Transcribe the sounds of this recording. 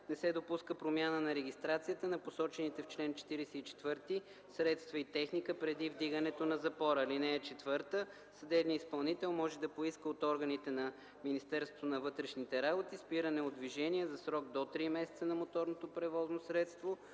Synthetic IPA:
nɛsɛd̪opuskəpɾomjanənɐɾɛɡʲist̪ɾat̪sijət̪ənɐposɔt͡ʃɛnit̪ɛft͡ʃlɛnt͡ʃɛ̥t̪iɾɛsɛit͡ʃɛ̥t̪vɤɾt̪i | sɾɛt̪st̪vɐit̪ɛxnikəpɾɛd̪ivd̪iɡənɛt̪onɐzɐpɔɾəlinɛːt͡ʃɛt̪vɤɾt̪ə | səd̪ɛbniispɐlˠnit̪ɛlˠmɔʒɛd̪ɐpoiskəot̪ɔɾɡənit̪ɛnɐ | minist̪ɛɾst̪vo̥t̪onɐvɤt̪ɾɛʃnit̪ɛɾabot̪ispiɾənɛod̪viʒɛniəzɐsɾɔɡ̚d̪ot̪ɾimɛsɛt̪sənɐmot̪ɔɾnot̪opɾɛvɔznosɾɛt̪st̪vo

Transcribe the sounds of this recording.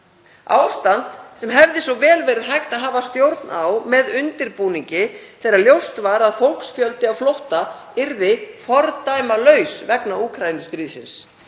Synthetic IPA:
a̰ːwst̪ant̪sɛmɦɛvðɪsɔvɛːlvɛːɾɪðɦajxt̪aðɦaːvast̪jowɾt̪nʔa̰wmɛðʏnt̪ɪɾpuːniɲcɪθejɾaɾljowst̪vaɾaðfowlksfjœlt̪ɪawflowht̪a | ɪɾðɪfɔɾt̪ajmalœɥsvɛknauːkʰɾajinʏst̪ɾiːðsɪ̰ns

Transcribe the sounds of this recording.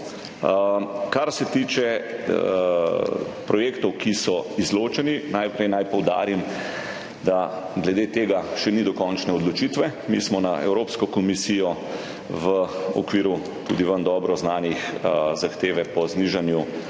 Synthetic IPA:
kaɾsɛt̪iːt͡ʃɛ | pɾɔjeːkt̪ɔwkisɔizloːt͡ʃɛninajpɾɛjnajpɔwd̪a̰ːɾim | d̪a | ɡlɛd̪eːt̪eːɡaʃɛnid̪ɔkɔnt͡ʃnɛɔd̪lɔt͡ʃit̪ʋɛmḭsmɔnaɛ̰wɾoːpskɔkɔmisijɔ | ʋəɔ̰kʋiːɾu | t̪ṵd̪iʋənd̪ɔbɾɔznaːnixzaxt̪eːʋɛpɔzniʒanju

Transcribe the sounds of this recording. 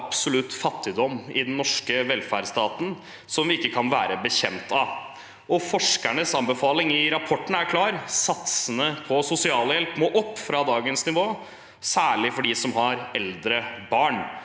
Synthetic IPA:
ɑbsʊlʉt̪ːfɑt̪ːɪd̪ɔmɪd̪ɛnnːɔʂkəʋɛlfæɖst̪ɑːt̪n̩ | sɔmʋɪɪkːəkʰɑnʋæːɾəbəçɛmt̪ɑ | ʔɔfɔʂkæɳəsɑnbəfɑːlɪŋɪɾɑpʰɔʈːn̩əæɾkʰlɑːɾsɑt̪sənəpʰɔsʊsɪɑːləjɛlpmoːʔɔpːfɾɑd̪ɑːɡənsnɪʋoː | sæːɭɪfɔɖiːsɔmɦɑɾɛld̪ɾəbɑːɳ

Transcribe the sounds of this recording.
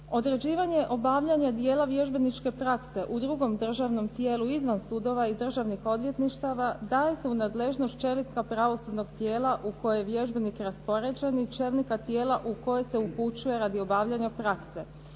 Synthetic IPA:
o̞d̪ɾe̞d͡ʑiːʋaɲeʔo̞baʋʎaɲad̪je̞ːlˠaʋje̞ʒbe̞nit͡ʃke̞pɾakse̞ʔud̪ɾuɡo̞md̪r̩ʒaʋno̞mt̪je̞ːluizʋansud̪o̞ʋaid̪r̩ʒaʋnixo̞d̪ʋje̞t̪niʃt̪aʋad̪aːje̞se̞unaːd̪le̞ʒnost̪̚t͡ʃe̞likapɾaʋo̞sud̪no̞ɡt̪jeːlˠaʔuko̞jejeʋje̞ʒbe̞nikɾaspo̞ɾe̞d͡ʑenit͡ʃelˠnikat̪je̞ːlaʔuko̞je̞se̞uput͡ɕuje̞ɾad̪io̞baːʋʎaɲapɾakse̞

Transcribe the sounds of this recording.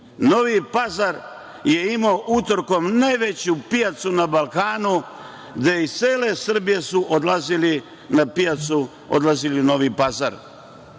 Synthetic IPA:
no̞ʋipazaɾ | je̞imoːʔut̪oɾko̞mnajʋe̞t͡ɕupijat̪sunabalˠkaːnu | ɡd̪eit̪seːle̞sr̩bije̞suʔod̪lazili | napijat̪su | o̰d̪lˠazilino̞ʋipaza̰ɾ

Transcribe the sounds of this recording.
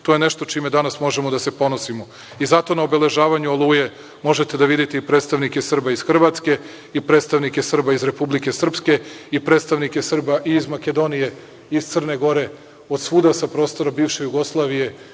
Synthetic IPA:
t̪ojeneʃt̪o̞t͡ʃiːmed̪anasmo̞ʒemo̞d̪ase̞po̞nosimo̞ | izat̪o̞naobe̞le̞ʒaːʋaɲuolˠuːje̞ | mo̞ʒe̞t̪e̞d̪aʋid̪it̪eipɾet̪st̪aʋnikesrbaizxr̩ʋat̪ske̞ | ipɾet̪st̪aʋnike̞sr̩baizɾe̞publike̞sr̩pske̞ipɾet̪st̪aʋnikesr̩baʔiːzmake̞d̪o̞nije̞ | iz̥t̪sər̩neɡo̞ɾe̞ | od̪suːd̪asapɾo̞ːst̪o̞ɾabiːʋʃe̞juɡo̞slˠaʋije̞

